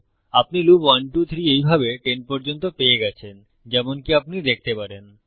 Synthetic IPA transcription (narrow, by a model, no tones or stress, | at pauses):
ap̚nilupwanʈut̪ʰɾiejbʱabeʈenpɔɾd͡ʑont̪opeeɡɛt͡ɕʰen | d͡ʑɛmonkiapnid̪ek̚ʰt̪epaɾen